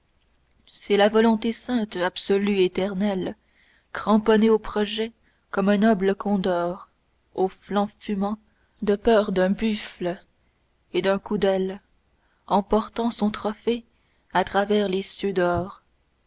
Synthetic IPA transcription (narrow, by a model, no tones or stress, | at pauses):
sɛlavɔlɔ̃t̪esɛ̃t̪absɔlyet̪ɛʁnɛl | kχɑ̃pɔneopχɔʒɛ | kɔmɛ̃nɔbləkʰɔ̃d̪ɔːʁ | oflɑ̃fymɑ̃ | d̪əpœːʁd̪ɛ̃byfl | ed̪ɛ̃kud̪ɛl | ɑ̃pɔʁt̪ɑ̃sɔ̃t̪χɔfe | at̪χavɛʁlesjød̪ɔːʁ